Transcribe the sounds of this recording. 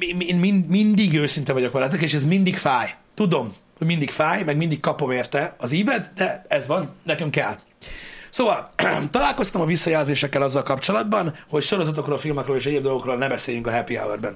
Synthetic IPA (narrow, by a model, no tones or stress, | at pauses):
ieːnminmind̪iɡøːsint̪ɛvɒɟjo̞kʋɛlɛt̪ɛkeːʃɛzmind̪ikfaːj | t̪ud̪o̞m | hoɟmind̪ikfaːjmɛɡmind̪ikkɒpo̞meːrt̪ɛɒziːvɛd̪d̪ɛɛzʋɒnnɛkyŋkɛlː | soːvɒlt̪ɒlaːlko̞st̪ɒmɒvisːɒjɛːlzeːʃɛkːɛlɒzːɒlkɒpt͡ʃolɒd̪bɒnho̞cʃo̞ɾo̞zɒt̪̬o̞kroːlfilmɒkroːleːʃ̬ɛɟeːbd̪o̞lɡo̞kroːlnɛbɛseːjyŋkɒɦɛpia̰wɛrbɛn